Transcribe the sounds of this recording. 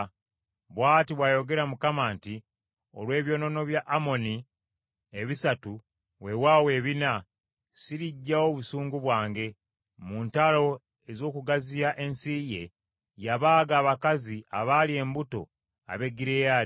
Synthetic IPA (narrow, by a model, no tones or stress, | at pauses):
βwaːtiβwaːjo̞ɡe̞ɾamukamaːnti | o̞̰lwe̞ːβjo̞no̞no̞βjaʔːmo̞ni | eβisatu | we̞waːwe̞ːβina | siɾiɟːawo̞βusuːŋɡuβwaːŋɡe̞ | muːntalo̞ | e̞zo̞ːkuɡazijaʔe̞nsije̞ | jaβaːɡaːβakaziʔa̰βalie̞ːmbuto̞̰ | a̰βe̞ɡiɾeja